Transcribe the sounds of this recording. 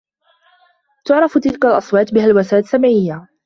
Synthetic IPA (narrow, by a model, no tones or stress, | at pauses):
t̪ʊʕɾˤɑft̪ɪlkalʔɑsˤwɑːt̪bɪhalwasaːt̪samʕɪjːa